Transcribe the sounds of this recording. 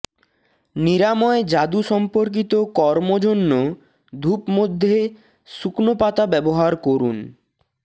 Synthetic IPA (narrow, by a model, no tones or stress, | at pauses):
niɾamɔed͡ʑad̪uʃɔmpoɾk̬it̪okɔɾmod͡ʑonːo | d̪ʱupmod̪ʱːe | suknopat̪abɛboɦaɾkoɾun